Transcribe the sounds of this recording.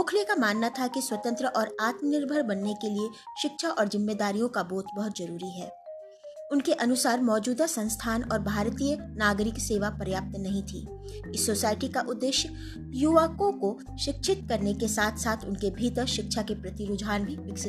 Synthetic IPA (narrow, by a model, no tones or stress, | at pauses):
ʊːkʰlekamaːnːat̪ʰakiswɐt̪ə̃nt̪ɾəʔɔːɾaːt̪mənɪɾbʱəɾbɐnːekelieʃɪkʃʰaʔɔːɾzɪmːeːd̪aːɾijõkaboːt̪bɐɦʊt̪zɐɾuːɾiɦɛː | ʊnkeʔɐnʊsaːɾmɔːd͡ʒuːd̪asɐ̃nst̪ʰaːnɔːɾbʱaːɾt̪ijənaːɡɾɪkseːʋapɾjaːp̚t̪nɐɦĩt̪ʰḭː | ɪsːoːsaːɪʈikaʔʊd̪ːeːʃjə | juʋaːkõko | ʃɪkʃʰɪt̪̚kɐɾnekesaːt̪ʰsaːt̪ʰʊnkebʱit̪əʃɪkʃʰakepɾɐt̪iɾʊd͡ʒaːnbʱiʋɪksɪd̪